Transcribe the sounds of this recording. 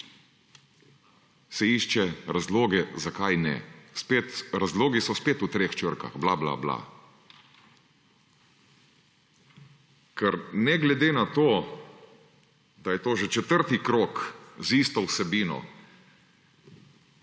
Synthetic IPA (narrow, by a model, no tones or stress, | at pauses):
sɛiːʃt͡ʃɛɾazloːɡɛzakajnɛ̰speːt̪ɾazloːɡisɔspeːt̪ut̪ɾeːxt͡ʃəɾka̰ɣbla̰bla̰bla̰ | kʰɛɾnɛɡlɛd̪eːnat̪oː | d̪ajɛt̪oːʒɛt͡ʃɛt̪əɾt̪ikɾoːkzist̪ɔwsɛbiːnɔ̰